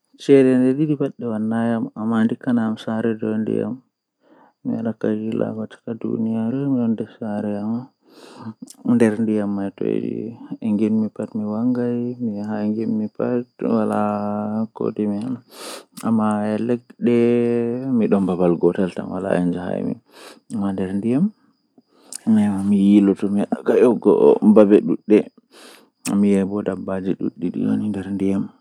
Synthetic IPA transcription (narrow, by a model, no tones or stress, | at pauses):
t͡ʃɛɾɛndɛɗidibaɗːɛwanːajamamandikanamsaɾɛdɔndḭja̰mː | ḭaɗakːaɡila̰kɔt͡ʃḁkadṵnijaɾɔmiɗɔndɛsaɾɛama | ndɛɾndijamːajtɔ̰d͡ʒḭɛŋɡinmipatmiwaŋɡajmihaŋɡinmipatwalako̰timianamːajɛlɛk̚ɗɛ | miɗɔmbabalɡɔtalta̰nwa̰la̰ɛ̰nd͡ʒaha̰jmḭ | amandɛɾndijam | mɛmijilɔtɔmikaʔɔɡɔ̰mbabɛɗuɗːɛ | mijɛbɔdabad͡ʒiɗṵɗːiɗḭwo̰nindɛɾndijam